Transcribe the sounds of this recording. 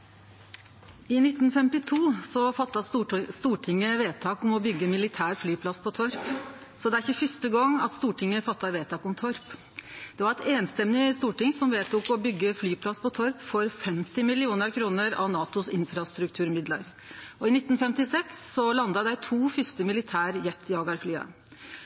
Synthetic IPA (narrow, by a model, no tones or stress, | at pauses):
ɪnɪt̪ːnfɛmt̪ɪt̪ʰuːsɔfɑt̪ːɑst̪uːʈʰɪŋːəʋeːt̪ʰɑːkʊmɔbʏɡːəmɪlɪt̪ʰæːɾflyːpʰlɑspʰɔt̪ʰɔɾp | sɔd̪ɛæɾɪçəfʏst̪əɡɔŋːɑt̪st̪uːʈʰɪŋːəfɑt̪ːɑʋeːt̪ʰɑːkʊmt̪ʰɔɾp | d̪̥ɛʋɑɾɛt̪ʰeːnst̪ɛmnɪst̪uːʈɪŋsɔmʋeːt̪ʰuːkɔbʏɡːəflyːpʰlɑspʰɔt̪ʰɔɾpfɔɾfɛmt̪ɪmɪlɪuːnəɾkʰɾuːnəɾɑ̰ʋnɑːt̪ʊsɪnfɾɑst̪ɾʉkt̪ʰʉːɾmɪd̪lə̰ɾ | ɔɪnɪt̪ːn̩fɛmt̪ɪsɛksːɔlɑnd̪ɑd̪æɪt̪ʰuːfʏst̪əmɪlɪt̪ʰæːɾjɛt̪ʰːɪɑːɡɑɾflyːɑ̰